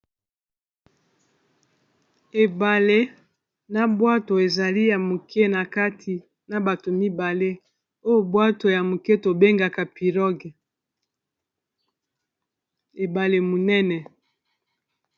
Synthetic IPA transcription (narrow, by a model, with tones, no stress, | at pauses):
e˨ba˨le˦ | na˨bwa˦to˨e˨za˨li˦ja˨mo˨kʰe˦na˨ka˦tʰi˨ | na˨ba˨to˨mi˦ba˨le˦ | o˦jo˨bwa˦to˨ja˨mo˨ke˦to˨be˦ŋɡa˨ka˨pi˨ʁɔ˦ɡɛ˨ | e˨ba˨le˨mo˨nɛ˦nɛ˨